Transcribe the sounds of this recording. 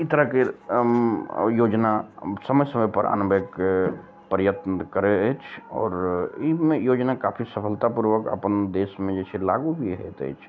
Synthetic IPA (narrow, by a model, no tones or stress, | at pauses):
it̪əɾəke | joːd͡ʒnasəməjsəməjpəɾʔa̰ːnəbʱeːk | pəɾjət̪nəkəɾeet͡ʃʰɔ̰ːɾimẽjoːd͡ʒnakaːpʰisəpʰəlt̪apuɾʋəkə̰pənd̪eːsmẽd͡ʒɛːsʰelaːɡubʱiɦɛ̰t̪ḛːt͡ʃʰ